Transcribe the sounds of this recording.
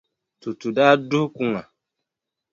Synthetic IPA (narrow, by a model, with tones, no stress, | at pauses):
tu˨tu˨da˦du˦hku˦ŋa˨